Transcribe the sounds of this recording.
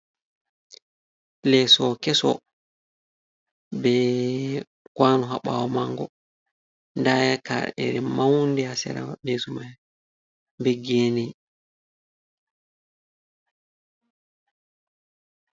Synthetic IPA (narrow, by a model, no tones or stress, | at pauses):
plɛsɔkɛsɔ̰ | bɛ | kwaːnɔɦaɓa̰wɔmaŋɡɔ | ndajaka̰ɾɛ̰ɾɛmawndɛhasɛ̰ɾa̰ɓesuma | mbɛɡeːnɛ